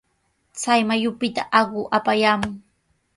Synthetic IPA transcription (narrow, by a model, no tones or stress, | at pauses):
t͡sajmajʊpɪt̪a̰ʔɑɢʊʔapajaːmʊŋ